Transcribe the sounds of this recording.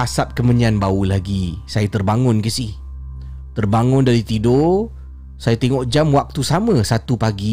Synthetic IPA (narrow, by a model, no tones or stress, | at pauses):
asap̚kəməɲianbaulaɡisajat̪ərbaŋʊnkəsih | t̪ərbaŋʊndaɾit̪ido | sajat̪eŋɔʔd͡ʒamwak̚t̪usamə̃sat̪upaɡi